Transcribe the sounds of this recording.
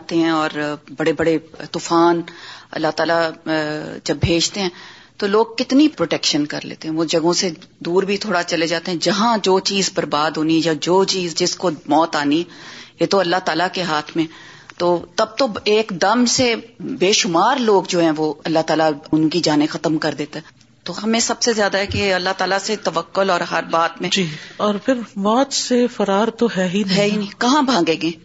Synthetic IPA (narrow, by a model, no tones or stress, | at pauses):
t̪eɦɛ̃ɔːɾbɐɽebɐɽet̪uːfaːnɐ̰lːaɦt̪aːla | d͡ʒɐbbʱeːd͡ʒt̪eɦɛ̃ːt̪oloːɡ̚kɪt̪nipɾoːʈɛːkʃənkɐ̰ɾlḛːt̪eɦɛ̃ʋod͡ʒɐɡõsed̪uːɾbʱit̪ʰoːɽat͡ʃɐled͡ʒaːt̪eɦɛ̃d͡ʒɐɦãd͡ʒoːt͡ʃiːzbɐɾbaːd̪ɦoːniɦɛjad͡ʒoːt͡ʃiːzd͡ʒɪskomɔːt̪aːniɛjet̪oɐlːaɦt̪aːlakeɦaːt̪ʰmẽ | t̪oːt̪ɐb̚t̪oeːkd̪ɐmsebeːʃʊmaːɾloːɡd͡ʒoːɦɛ̃ʋoɐlːaɦt̪aːlaʊnkid͡ʒaːnẽxɐt̪əmkɐɾd̪eːt̪aɦɛ | t̪oɦɐmẽsɐbsezjaːd̪aɦɛkeɐlːaɦt̪aːlaset̪ɐʋəkːʊlɔːɾɦɐɾbaːt̪mẽːd͡ʒiɔːɾpʰɪɾmɔːt͡ʃsefɐɾaːɾt̪oɦɛɦinɦɛːɦinĩkɐɦãbʱãːŋɡẽːɡeː